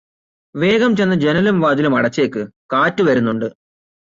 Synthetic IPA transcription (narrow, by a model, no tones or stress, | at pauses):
ʋe̞ːɡɐmt͡ɕe̞nːɐd͡ʑe̞nɐlumʋaːd̪ilumɐɽɐt͡ɕːe̞ːkːɨkaːtːɨʋɐɾunːuɳɖɨ